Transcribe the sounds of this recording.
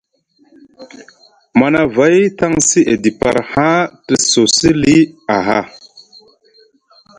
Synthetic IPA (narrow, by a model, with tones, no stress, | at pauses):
ma˨na˨va˨˦jta˦ŋsi˦ʔe˨di˨pa̰˨ɾhã˦tə˨so˨si˦li˦a˨ɦa˦˨